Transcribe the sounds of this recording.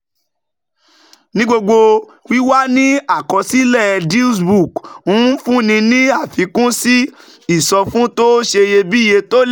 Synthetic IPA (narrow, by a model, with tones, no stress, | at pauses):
nĩ˦ɡ͡bo˧ɡ͡bo˧ | wi˦wa˦nĩ˦a˦˨kɔ˧si˦lɛ˦˨di˦sbu˦˨kũ˦fũ˦nĩ˧nĩ˦a˦˨fi˨˧kũ˦si˦ | i˦˨sɔ˧fũ˦to˦ʃe˧je˧bi˦je˧to˦l